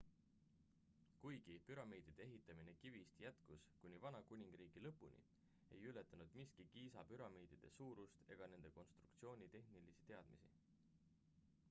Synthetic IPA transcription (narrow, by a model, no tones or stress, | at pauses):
kujɡ̥ipyɾɑmiːd̪̥id̪̥eeɦit̪ːˑɑminekivist̪jæt̪kuskunʲːivɑnɑkunʲiŋɡ̥riːɡ̥ilɤpːˑunʲḭ | e̞̰jyle̞t̪ːˑɑnud̪̥miskikiːsɑpyɾɑmiːd̪̥id̪̥e̞suːɾust̪e̞̰ɡ̥ɑne̞nd̪e̞ko̞nst̪ru̥kt̪sio̞ːnʲit̪e̞hnilisi̥t̪e̞ɑd̪̥misḭ